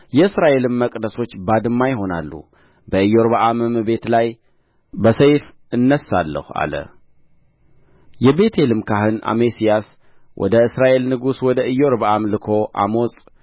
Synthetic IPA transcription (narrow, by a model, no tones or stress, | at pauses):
jɛɨsɾaʔe̞lɨmːəkʼd̪əso̞t͡ʃːbad̪ɨmːajɪɦo̞nalːṵ | bəɨjːo̞ɾβaʔamɨmbe̞t̪laj | bəsəjf | ɨnːəsːalːə̰hua̰lə̰ | jɛbe̞t̪ʰe̞lɨmkʰaɦɨna̰mesijas | wʔɔ̰d̪əɨsɾaʔe̞lnɨɡuswɔd̪əɨjːo̞ɾbaʔamlɨkʰo̞ʔa̰mo̞sʼ